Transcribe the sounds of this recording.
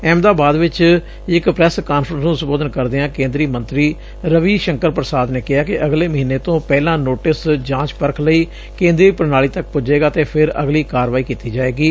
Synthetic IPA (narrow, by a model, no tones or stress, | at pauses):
ɛːmd̪aːbaːd̪ʋɪt͡ʃ | ɪkpɾɛskaːnfɾə̃nsnũːsəboːd̪ənkəɾd̪eãːkẽːnd̪ɾiːmə̃nt̪ɾiː | ɾəʋiːʃəŋkəɾpɾəsaːd̪neːkɪɦaːkɪʔəɡleːməɦiːneːt̪õːpɛːlãːnoːʈɪsd͡ʒãːt͡ʃpəɾkʰləiː | kẽːnd̪ɾiːpəɾnaːliːt̪ək̚pʊd͡ʒeːɡaːt̪eːpʰɪɾə̰ɡliːkaːɾʋaːiːkiːt̪iːd͡ʒaːeːɡiː